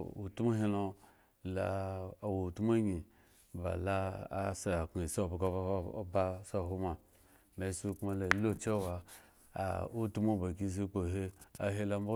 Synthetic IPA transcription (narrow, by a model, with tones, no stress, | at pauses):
ṵ˨tu˦ma˦ɦe˦lo˧ | la˨wo˨tu˦ma˦ɲi˨ | ba̰˨la̰ː˦sa˨a˨ki˨sa˦˨ba˨ko̰˦ba˦sa˦˨ɦo˧ma˨ | ma˨i˦su˦kma˦la˨lo˦t͡ʃe˦wa̰˨ | u˦tu˦mo˦˨ba˨k̬i˦s̬i˦k͡po˨ɦe˦a̰˨ɦe˦la˧m˦bo˦